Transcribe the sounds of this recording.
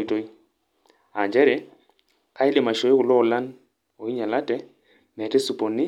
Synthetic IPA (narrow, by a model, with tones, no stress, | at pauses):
i˨to˦i˦ | a˨ɲd͡ʒɛ˦ɾɛ˨˦ | ka˦ɪ˦lɪ˨ma˨ʃo˨e˦kʊ˨lɔ˦˨la˦n | o˨i˦ɲa˨la˦tɛ˦ | mɛ˨tɛ˦su˨po˨nɪ˦